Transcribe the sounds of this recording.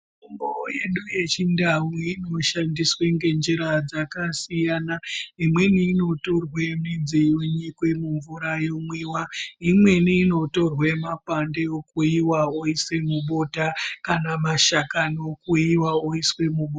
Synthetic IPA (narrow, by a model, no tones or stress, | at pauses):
umboje̞ɗuje̞t͡ʃindamiino̞ʃandisweŋɡe̞nd͡ʒeɾad͡zakasijanaimwe̞niːno̞to̞rwemid͡ziuɲikwemuɱvuɾajomwiːwaimwe̞niːno̞to̞rwe̞mapandeokuiwaoiswe̞muɓo̞takanamaʃakanokuiwaoiswe̞muɓo